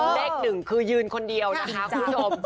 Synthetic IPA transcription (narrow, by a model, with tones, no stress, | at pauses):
leː˥˩k̚nɯ˨˩ŋkʰɯː˧jɯː˧nkʰo˧ndi˧əwna˦˥kʰa˦˥kʰu˧m˦bt͡ɕʰo˧m